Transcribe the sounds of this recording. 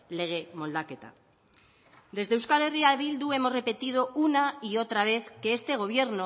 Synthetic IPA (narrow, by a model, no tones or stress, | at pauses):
le̞ɣ̞emo̞ld̪aket̪a̰ | d̪e̞zðewskaleriaβild̪ue̞mozre̞pe̞t̪ið̞o̞unaio̞t̪ɾaβ̞e̞θke̞est̪eɣ̞o̞β̞je̞ɾno